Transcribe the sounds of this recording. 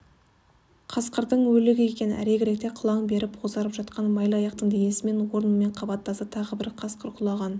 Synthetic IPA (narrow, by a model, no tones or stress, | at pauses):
qʰɑsqəɾd̪əɴwɵlɪɡʲɪe̞kʲe̞nnæ̰ɾeɡʲɪɾek̚t̪e̞qʰʊlˠɑɴbe̞ɾɪpqʰozɑɾəpʒ̥ɑt̪qɑnmɑjlˠəɑjɑq̚t̪əɴd̪ej̪esɪme̞nwo̞ɾənme̞ɴqʰɑbɑt̪ːɑsət̪ʰɑʁəbɪɾqʰɑsqəɾqʰʊlˠɑʁɑn